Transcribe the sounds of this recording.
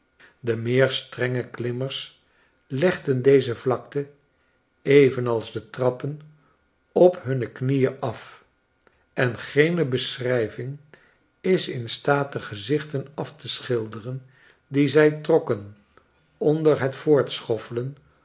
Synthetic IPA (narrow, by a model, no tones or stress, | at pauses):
dəmɪːɹstrɛŋəklɪməɹs | lɛχdəndejzəvlɑk̚tə | ejvənɑlˠzdətrɑpən | ɔpɦɵnəknijəʔɑf | ɛnχejnəbəsrɛjvɪŋ | ɪsɪnstaːt̚dəχəzɪχtənɑftəsχɪlˠdərən | dizɛjtrɔkən | ɔndəɹɦətfʊːɹtsχɔfələn